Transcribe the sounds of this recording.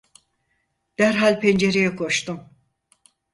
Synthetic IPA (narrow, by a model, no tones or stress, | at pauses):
d̪̥æɾɦalʲpʰend͡ʒeɾejɛkʰo̞ʃt̪um